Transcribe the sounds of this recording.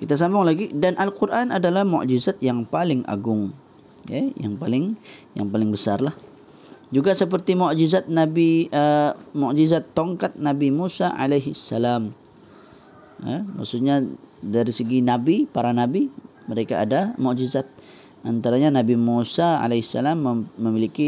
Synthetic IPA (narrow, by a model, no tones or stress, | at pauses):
kit̪as̬ambʊŋlaɡidanʔalkurʔanʔadalahmɔ̰ʔd͡ʒizat̪̚jaŋpalɪŋʔa̰ɡʊŋ | ɛja̰ŋpalɪŋja̰ŋpalɪŋbəsarlah | d͡ʒuɡasəp̬ərt̪imɔʔd͡ʒizat̪̚nabiəmɔʔd͡ʒizat̪ːoŋkat̪̚nabimusaa̰lejɦəsːalam | a̰ma̰ksut̪̚ɲadaɾisəɡinabipaɾanabi | məɾeka̰ːdamɔʔd͡ʒizat̪̚ | ʔant̪aɾaɲanabimusaa̰lahsːalaməːəmiliki